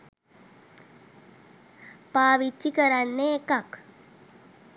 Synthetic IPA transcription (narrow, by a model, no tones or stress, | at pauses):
paːʋit͡ʃːikəɾanːeːkak